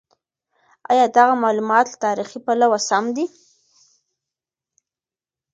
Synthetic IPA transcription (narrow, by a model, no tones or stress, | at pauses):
ɑ̰jɑd̪aɣamɑlumɑt̪lt̪ɑɾixipalawasamd̪i